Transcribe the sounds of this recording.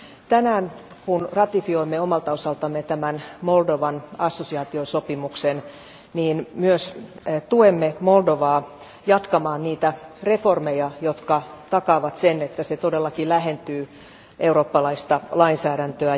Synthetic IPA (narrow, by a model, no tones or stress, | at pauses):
t̪ænæːn | kunrɑt̪ifioimːeomɑlt̪ɑosɑlt̪ɑmːet̪æmænmoldoʋɑnɑsːosiɑːt̪iosopimuksen | niːnmyøs | t̪uemːemo̞ldoʋɑː | jɑt̪kɑmɑːnniːt̪ære̞formejɑjot̪kɑt̪ɑkɑːʋɑt̪senet̪ːæset̪odelːɑkilæɦent̪yː | ʔeuro̞ːpːɑlɑist̪ɑlɑinsæːɾænt̪øæ